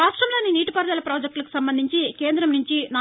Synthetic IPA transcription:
aːʂʈɾɐmloːniniːʈipɐɾd̪ɐlɐpɾoːd͡ʒek̚ʈlɐki̥sɐmbɐnd̪ʱiɲt͡ʃikeːnd̪ɾɐmnuɲt͡ʃina

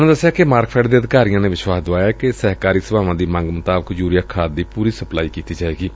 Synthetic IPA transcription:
nõːd̪əsːejaːkemaːɾkpʰɛːɖd̪eːəd̪ɪkaːɾijãːneːʋɪʃwaːsd̪oaːjaːkɪsɛɦkaːɾiːsəbaːʋãːd̪iːmə̃ŋɡmʊt̪aːbəkd͡ʒuːɾɪjaːkʰaːd̪̚d̪iːpuːɾiːsəplaːiːkiːt̪iːd͡ʒaːeːɡiː

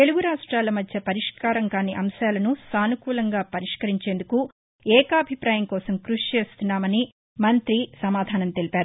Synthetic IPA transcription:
t̪e̞luɡuɾaːʂʈɾaːlɐmɐd̪ʱjɐpɐɾiʂkaːɾɐŋkaːniʔɐmʃaːlɐnusaːnukuːlɐŋɡaːpɐɾiʂkɐɾiɲt͡ʃeːnd̪uku | ɛːkɐɐbʱipɾaːjɐmkɔːsɐmkɾuʂit͡ʃeːst̪unːaːmɐni | mɐnt̪ɾisɐmaːd̪ʱaːnɐmt̪e̞lipaːɾu

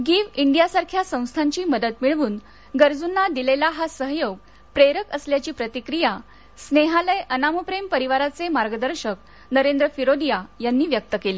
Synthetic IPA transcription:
ɡiːʋiɳɖijasaɾkʰjasə̃w̃st̪ʰaɲt͡ɕiːməd̪ət̪miɭʋuːn | ɡəɾd͡zunːad̪ilelaɦasəɦjoɡ̚ | pɾeɾəkəsljat͡ɕiːpɾət̪ikɾija | sneɦaləjʔənaməpɾempəɾiʋaɾat͡semaɾɡəd̪əɾɕək̚ | nəɾend̪ɾəfiɾod̪ijajanːiːʋjək̚t̪əkeliː

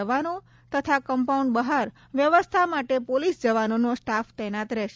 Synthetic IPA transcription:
əʋano | t̪ət̪ʰakəmpauɳɖbəɦaɾ | ʋjəʋəst̪ʰamaʈepolisd͡ʒəʋanonosʈaft̪ɛnat̪ɾɛʃ

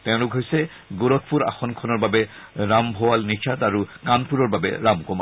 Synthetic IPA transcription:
t̪ɛʊ̃lʊkɦojsɛ | ɡoɹɔt̪̚ʰpuɹa̰xɔnkʰɔnɔɹbabɛ | ɹambʱowalnit͡ʃʰataɹukanpuɹɔɹbabɛ̰ɹamkɔma

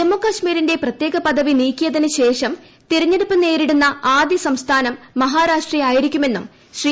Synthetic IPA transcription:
d͡ʑemːukɐɕmiːɾinde̞prɐt̪je̞ːɡɐpɐd̪ɐʋiniːkʲːijɐd̪ɐnɐɕe̞ːʂɐm | t̪iɾɐɲːeɽupːɨne̞ːɾiɽunːɐaːd̪jɐsɐmst̪ʰaːnɐmːɐɦaːɾaːʂʈrijaːjiɾikʲːume̞nːum | ɕri

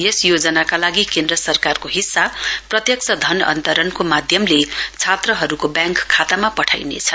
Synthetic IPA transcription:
jesjod͡zʌnakalaɡikend̪rʌsʌrkarkoɦisːaprʌt̪jʌk̚sʰʌd̪ʱʌnʌ̰nt̪ʌɾʌnkomad̪ʱjʌmlet͡sʰat̪rʌɦʌɾukobjãŋkʰːat̪amapʌʈʰajnḛt͡sʰʌ̥

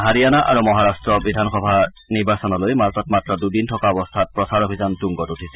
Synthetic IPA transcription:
ɦaɹijanaʔa̰ɹumɔɦaɹastɹɔbidʱanxɔbʱa | niɹbasɔnɔlojmaltɔtmatɹɔdudintʰɔkaɔbɔst̪ʰat̚pɹɔsaɹɔbʱizantuŋɡɔtutʰisɛ

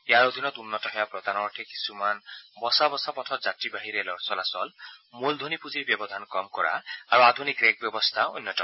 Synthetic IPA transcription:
jaɹod̪ʱinɔt̪unːɔtɔɦɔjapɾɔd̪ʱanɔʈʰeki̥sumanbɔsabɔsapɔtʰɔtzatɹibaɦiɾelɔsɔlasɔ̰lmuld̪ʱonipuziɹbjɔbɔd̪ʱankɔmkɔɹa̰aɹuad̪ʱunikɾeɡ̚bjɔbɔst̪ʰaunːɔtɔ

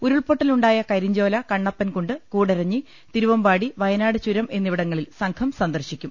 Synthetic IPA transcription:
uɾuɭpoʈːiluɳɖaːjɐkɐɾiɲd͡ʑo̞ːlɐkɐɳːɐpːɐnkoɳɖɨkuːɽɐɾɐɲːi | t̪iɾuʋɐmbaːɽiʋɐjɐnaːɽɨt͡ɕuɾɐmʔe̞nːiʋiɽɐŋːɐɭilsɐŋkʰɐmsɐnd̪ɐrɕikʲːum

